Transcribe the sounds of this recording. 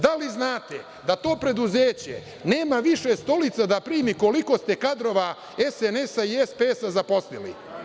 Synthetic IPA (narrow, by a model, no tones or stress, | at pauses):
d̪aliznaːt̪e | d̪at̪o̞ːpɾe̞d̪uzeːt͡ɕe̞̰ | ne̞ːmaʋiʃest̪o̞lit̪sad̪apɾiːmiko̞liko̞st̪e̞kad̪ɾo̞ʋa | esenesaiespesazapo̞slilḭ